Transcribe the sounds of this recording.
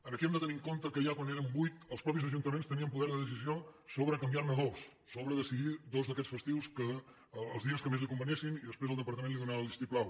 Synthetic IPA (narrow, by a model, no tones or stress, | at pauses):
ənəkiɛmd̪ət̪əniŋkont̪əkəjakwaneɾəmbujt̪əlˠspɾɔpizəʒunt̪əmẽnst̪əniəmpuðɛɾðəðəsiziosoβɾəkəmbiaɾnəðosː | oβɾəðəsiðiðozðəkɛsfəst̪iwskəː | lˠzðiəskəmezlikumbənesiniðəspɾezəlˠd̪əpəɾt̪əmenliðunaəlˠist̪iplˠaw